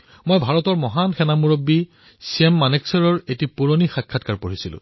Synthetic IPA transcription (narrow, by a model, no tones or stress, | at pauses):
mojbʱaɹɔtɔɹmɔɦanxɛnamuɹobːi | siɛmːaneksɔɹɔɹetipuɹonixakʰːatkaɹpoɹisilʊ̰̃